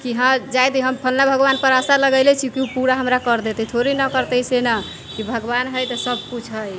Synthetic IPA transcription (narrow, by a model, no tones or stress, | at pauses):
kiɦãd͡ʒajt̪iɦəmpʰəlnabʱəɡbanpəɾəsaləɡəjlɛt͡ʃʰikiupuɾaɦəmɾakəɾd̪et̪ɛt̪ʰoɾinəkəɾt̪ɛsenə | kibʱəɡbanɦəjt̪əsəb̚ʱkut͡ʃʰɦəj